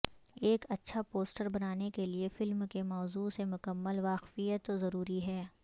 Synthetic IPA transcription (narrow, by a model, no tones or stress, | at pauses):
eːkɐtːʃʰapoːsʈəɾbɐnaːnekeliefɪlmkemɔːzuːsemʊkəmːəlʋaːqfijət̪zɐɾuːɾiɦɛː